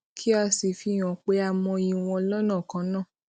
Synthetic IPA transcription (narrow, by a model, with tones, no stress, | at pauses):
kʰi˦a˧si˨fi˧˨j̃ɔ̃˨k͡pe˧˦a˧˨mɔ̃˧i˧˨w̃ɔ̃˧lɔ˦nã˦˨kã˧˦nãː˦˨